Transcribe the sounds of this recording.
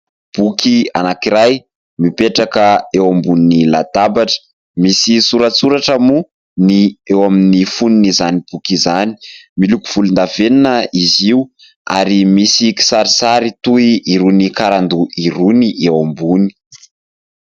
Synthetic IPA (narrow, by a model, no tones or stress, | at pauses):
b̥ukianakiɾaj | mipeʈ͡ʂakəewambuninila̰d̪̥abaʈ͡ʂə̥ | misisuɾat͡suɾaʈ͡ʂəmu | niewaminifuninizanib̥ukizani̥milukuv̥ulund̪aveninəiziu | a̰ɾimisiki̥saɾisaɾit̪uiiɾunikaɾand̪uʔiɾuniʔewambuni̥